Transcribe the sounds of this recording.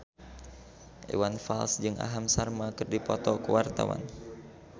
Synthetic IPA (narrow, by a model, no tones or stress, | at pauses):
ʔḛwanfalsd͡ʒɨŋʔa̰ɦamsarmakɨrdipɔt̪ɔkuwart̪a̰wa̰n